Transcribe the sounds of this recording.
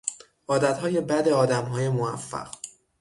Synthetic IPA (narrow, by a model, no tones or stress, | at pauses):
ʔɒːd̪æt̪hɒːje̞bæd̪eɒːd̪æmɦɒːjemoæfːæ̰ɢ̥